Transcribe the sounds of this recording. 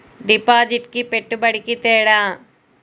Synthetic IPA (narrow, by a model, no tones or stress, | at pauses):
ɖipːaːd͡ʑiʈkɨpeʈːɨpɐɽikʲːit̪eːɽaː